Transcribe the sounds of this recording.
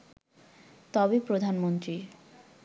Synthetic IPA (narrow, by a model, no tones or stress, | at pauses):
t̪ɔbepɾod̪ʱanmont̪ɾi